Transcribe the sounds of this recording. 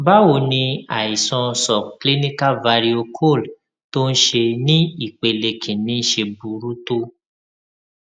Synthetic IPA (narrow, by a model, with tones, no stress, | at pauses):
ba˦wo˨nĩ˧a̰˨i˨sɔ̃˧˦sɔ˨kli˦nĩ˦ka˦va˧ɾi˦o˧kʰo˦˨l | to˦n̩˦ʃe˧nĩ˦i˦˨k͡pe˨le˨kʰĩ˨nĩ˨˦n̩˦ʃe˧bu˨ɾu˦to˦